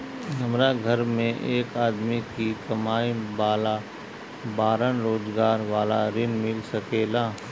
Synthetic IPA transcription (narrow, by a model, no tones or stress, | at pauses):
nɐmɾaɡʱɐɾmẽʔeːkaːd̪mikikɐmaːibaːla | baːɾənɾoːzɡaːɾʋaːlaɾɪnmɪlsɐkeːlaː